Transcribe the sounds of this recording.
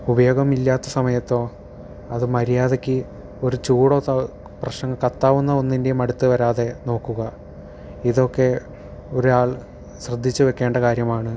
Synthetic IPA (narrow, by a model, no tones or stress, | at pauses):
ubɐjo̞ːɡɐmilːaːt̪ːɐsɐmɐjɐt̪ːo̞ː | ɐðɨmɐɾijaːðekʲːɨ | o̞ɾut͡ɕuːɽoːt̪ɐ | prɐɕɐŋɡɐkɐt̪ːaːʋunːɐonːinde̞jumɐɽut̪ːɨʋɐɾaːðe̞no̞ːkːuɣɐ | iðo̞kːe̞ | o̞ɾuaːɭ | ɕrɐd̪ʱːit͡ɕːɨʋe̞kːe̞ːɳɖɐkaːɾjɐmaːɳɨ